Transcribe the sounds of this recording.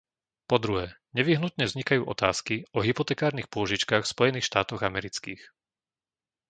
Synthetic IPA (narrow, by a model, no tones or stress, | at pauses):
pɔd̪ɾuɦɛː | ɲɛʋiɦnut̪ɲɛvzɲikajuːʔɔt̪aːskiɔɦipɔt̪ɛkaːɾnixpʊɔʒit͡ʃkaxfspɔjɛniːxʃt̪aːt̪ɔɣamɛɾit͡skiːx